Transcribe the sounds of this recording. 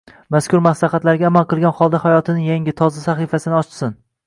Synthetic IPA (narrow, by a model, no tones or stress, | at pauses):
maskʲʰʊɾmaslɑχat̪laɾɡʲaːmalˠqɨlˠɡʲanχɒlˠd̪ahajɒt̪ʰɪnɪjaŋɡʲɪt̪ʰɒzasaχifasɪnɪɒt͡ʃʰɪsɪn